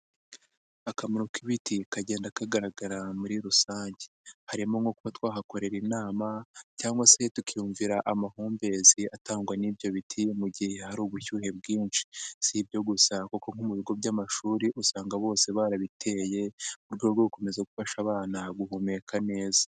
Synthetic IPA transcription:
akamiɾukiβitikaɟe̞ːndakaɡaɾaɡaɾamuɾiɾusaːɲɟe̥haɾimoŋɡo̞kuβatwaːɦako̞ɾe̞ɾinaːmacaːŋɡwase̞tukʰijuːɱviɾaʔamahuːmbe̞ziataːŋɡwanibjo̞βitʰijemuɟihe̞haɾuːβuçuːhe̞bɡiːnʃi̥sibjo̞ɡusakoko̞ŋ̥umuβiɡo̞bɟamaʃuːɾiʔusaːŋɡaβo̞ːse̞βaːɾaβitʰe̞ːje̞uɾɡoɾɡoɾuko̞me̞zaɡufaʃaβaːnaɡuɦume̞kʰane̞ːza

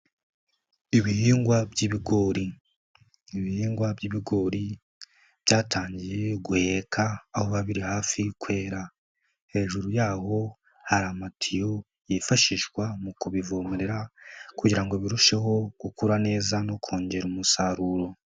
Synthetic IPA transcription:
iβihiːŋɡwabɟiːβiɡo̞ːɾiː | βihiːŋɡwabɟiːβiɡo̞ːɾi | b̥jaːtʰaːɲɟije̞ɡuhekʰaːhoβaβiɾihaːfikwe̞ːɾa | he̞ːʒuɾujaːho̞ | haɾamatʰijo̞ | jifaʃiʒɡwamukuβivomeɾeɾakuɟiɾaŋɡo̞βiɾuʃe̞ɦo̞ɡ̥ukuɾane̞ːzano̞kʰo̞ːɲɟe̞ɾumusaɾuɾo̞

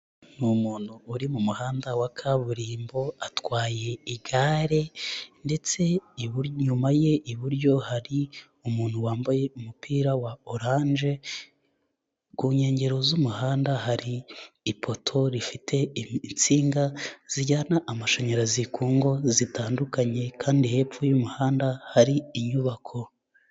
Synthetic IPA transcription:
numuːn̥huːɾimumuhaːndawakʰaβuɾiːmbo̞atwaːje̞iɡaːɾe̞nde̞t͡se̞iβɲumaje̞ʔiβuɾɟo̞haɾi | umuːn̥huwaːmbaje̞umupiːɾawaoɾaːɲʒe̞ | ɡuːɲe̞ːɲɟe̞ɾo̞zumuhaːndaɦaɾiːpʰo̞tʰo̞ɾifitʰe̞nt͡siːŋɡaz̥iɟanaʔamaʃaɲaɾazikuːŋɡo̞zitʰaːndukaɲe̞kʰaːndihe̞ːpfujumuhaːndahaɾiːɲuβakʰo̞

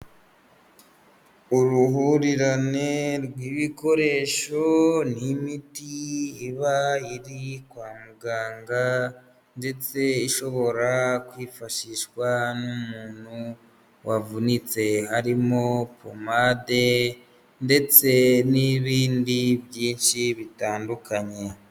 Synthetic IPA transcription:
uɾuɦuɾiɾane̞ɾɡwiːβiko̞ɾe̞ːʃo̞nimitiːβaiɾikwaːmuɡaːŋɡa | nde̞t͡se̞iʃo̞βo̞ɾakwiːfaʃiʃwanummuːn̥hu | wavunit͡se̞haɾimo̞po̰made̞ | nde̞t͡se̞niβiːndibjiːnʃiβitaːndukʰaɲe̞

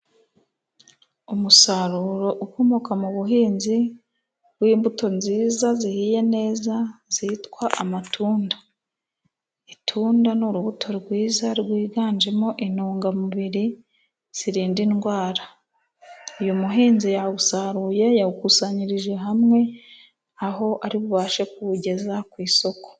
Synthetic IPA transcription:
umusaɾuɾo̞ʔuko̞mokamuβuɦiːnzi | wiːmbuto̞nziːzazihiːje̞ne̞ːzaz̥iitkwaʔamatʰuːndḁ | itʰuːndanuɾuβutʰo̞ɾɡwiːzaɾɡwiːɡaːnd͡ʒe̞mo̞ʔinuːŋɡamuβiɾi | z̥iɾiːndinɡwaːɾa | ujumuɦiːnzijaβusaɾuːje̞jaukusaɲiɾiʒe̞ɦamŋe̞ | aɦo̞ʔaɾiβuβaːʃe̞kuɟe̞zakwiːso̞ko̥

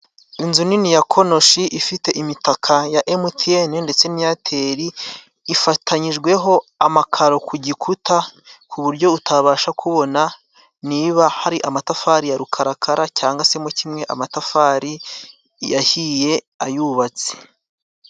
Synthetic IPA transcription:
inzuninijakʰo̞no̞ʃiʔifite̞ʔimitakʰajaʔemutʰienende̞t͡se̞nijatʰe̞ɾiː | fatʰaɲiʒɡwe̞ɦo̞amakʰaɾo̞kʰuɟikʰutʰakʰuβuɾɟo̞utʰaβaːʃakʰuβo̞na | niːβahaɾiʔamatafaɾijaɾukʰaɾakʰaɾacaːŋɡase̞mucimŋe̞ʔamatafaɾi | jahije̞ | ajuβat͡se̥

